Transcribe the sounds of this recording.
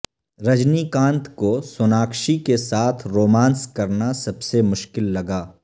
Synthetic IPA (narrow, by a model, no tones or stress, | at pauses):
ɾɐd͡ʒnikãːnt̪kosʊnaːkʃikesaːt̪ʰɾoːmãːnskɐɾnasɐbsemʊʃkɪlːɐɡaː